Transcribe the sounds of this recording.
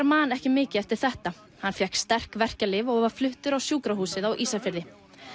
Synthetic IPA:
ɾmanɛhcɪmɪːcɪɛft̪ɪɾ̥θɛht̪a | hanfjɛhkst̪ar̥kvɛr̥calɪvɔɣvḁflʏht̪ʏɾawsjuːkɾahuːsɪðawʔiːsafɪɾðɪ

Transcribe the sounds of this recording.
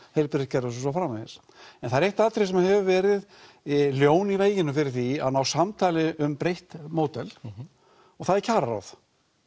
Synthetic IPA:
hejlpɪɾɪcɛɾʏsʏs̬afɾaːmaɪ̰s | ɛnθaðɪɾejht̪aːt̪ɾɪsɛmaɦɛvʏvɛːɾɪð | ljoːwniveːjɪnʏfɪɾɪɾ̥θia̰ðnawsamt̪ʰaːlɪʔʏmpɾejht̪moːwt̪ɛl | ɔɣθaðɛɾcʰaːɾaɾa̰wθ

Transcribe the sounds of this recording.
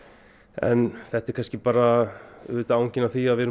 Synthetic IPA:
ɛ̰nθɛht̪ɛɾkanscɪpaːɾaʏːt̪aawɲcɪnawθiaðvɛɾʏ

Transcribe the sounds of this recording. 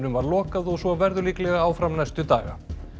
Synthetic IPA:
nʏmvaɾlɔːkaðɔɣsvɔvɛɾðʏliklɛɣaaːwfɾamnajst̪ʏt̪a̰ːɣa̰

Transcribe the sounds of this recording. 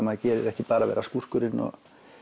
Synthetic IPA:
maðcɛːɾɪɾɛhcɪpaːɾaʋɛ̰ːɾaskur̥kʏɾɪnɔ̰ɣ

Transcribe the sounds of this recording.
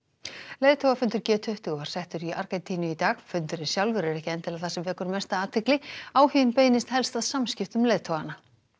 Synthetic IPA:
leːjðt̪ʰowvafʏnt̪ʏɾcɛːt̪ʰʏht̪ʏɣvaɾ̥sɛht̪ʏɾiʔa̰ɾkɛnt̪ʰiːnʏit̪aːɣfʏnt̪ʏɾɪ̥sjawlvʏɾɛɾɛhcɪɛnt̪ɪlaðθasɛmvɛːkʏɾmɛst̪aaːt̪ʰɪklɪaːwhiɪnpeːjnɪst̪hɛlst̪aðsamscɪft̪ʏmleːjðt̪ʰoːɣana

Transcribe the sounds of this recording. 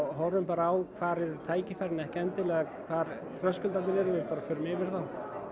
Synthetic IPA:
ɦɔɾːʏmpaːɾaːwkʰv̥aːɾɛɾʏɾt̪ʰaːjcɪfaɾnɛhcaɛnt̪ɪlɛːɣakʰvaːɾ | θɾœskʏlt̪anɪɾɛɾʏvɪpaːɾafœːɾʏmɪːvɪɾ̥θaw

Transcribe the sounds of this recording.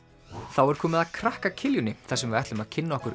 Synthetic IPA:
θawɛɾ̥kʰɔːmɪðaðkʰɾahkacʰɪljʏnɪθɛsːʏmvɪɛjht̪lʏmaðcʰɪnːaɔhkʏɾ

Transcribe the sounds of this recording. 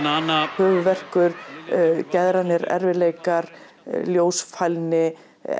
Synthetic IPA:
naːnahœːvʏvɛr̥kʏɾ̥ | cɛðɾanɪɾɛ̰ɾvɪleːjkaɾ | ljoːwsfajlnɪ

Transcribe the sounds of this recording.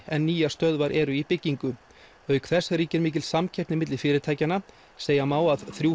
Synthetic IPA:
ɛnːiːjast̪œðvaɾʔɛɾʏipɪcːiŋkʏ | œːɥkʰθɛsːaɾiːcɪɾmiːc̬ɪlsamcʰɛjptnɪmɪt̪lɪ̥fɪːɾɪt̪ʰaːjcana | seːjamaːwaðθɾjuː

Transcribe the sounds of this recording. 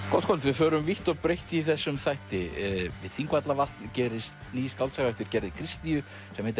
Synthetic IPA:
kɔt̪̚kʰɔlt̪vɪðfœːɾʏmviht̪ɔɣpɾejht̪ɪiθɛsːʏmθajht̪ɪvɪðθiŋkvat̪lavalt̪ncɛːɾɪst̪niːjskaw̪lsaɣvɛht̪ɪɾ̥cɛɾðɪkʰɾist̪niʏ | sɛmhɛent̪

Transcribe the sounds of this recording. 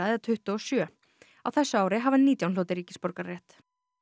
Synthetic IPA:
aððat̪ʰʏht̪ʏɔsjœː | a̰wθɛsːʏaːwɾɪɦavanːiːt̪jawnloːwt̪ɪɾiːcɪ̥spɔɾkaɾrːɛht̪

